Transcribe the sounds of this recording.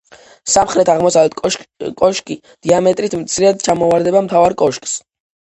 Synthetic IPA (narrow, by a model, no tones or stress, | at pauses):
samχɾɛt̪ʰaʁmɔsalɛt̪kʼɔʃkʼi | d̪̥iamɛt̪ʼɾit̪ʰmt̪sʰiɾɛad̪̚t͡ʃʰamɔvaɾd̪ɛbamt̪ʰavaɾkʼɔʃkʼs